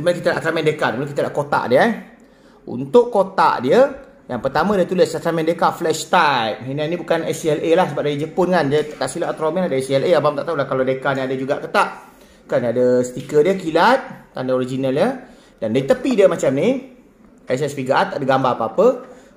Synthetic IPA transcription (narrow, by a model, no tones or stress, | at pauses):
məkit̪əlaʔt̪ɾamɛndekadmulukit̪əla̰hkot̪a̰ʔdiə | ṵnt̪ʊʔkːot̪a̰ʔdiə | jaŋpərt̪amãdiət̪uləsat̪ɾamɛ̃ndekaʔflɛʃt̪ajp̚inianĩbukanɛsɛlʔelahsəbap̚daid͡ʒəpʊnkandiət̪t̪aʔsilaʔat̪ɾomɛnadəɛsɛleabaamt̪a̰ʔt̪aɦulahkalawdekaniadəd͡ʒuɡa̰ʔkət̪aʔ | kaniadəsə̥t̪ikədiəkilat̪̚t̪andaoɾid͡ʒinalə | dandət̪əpidiəmat͡ʃamni | ɛsɛspiɡaʔat̪ːaʔdəɡambaapaapə